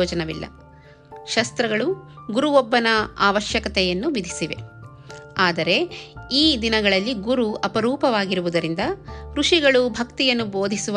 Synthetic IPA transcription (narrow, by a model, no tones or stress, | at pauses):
ɔːd͡ʒɐnɐʋḭlːɐ̰ | ʃɐst̪ɾɐɡɐɭuɡuɾuʋɔbːɐnɐaːʋɐʃjɐkɐt̪ɛjɐnːuʋid̪ʱisiʋe̞̰ | aːd̪ɐɾe̞iːd̪inɐɡɐɭɐlːiɡuɾuʔɐpɐɾuːpɐʋaːɡiɾuʋud̪ɐɾind̪ɐkɾuʂiɡɐɭubʱɐkt̪ijɐnːuboːd̪ʱisuʋ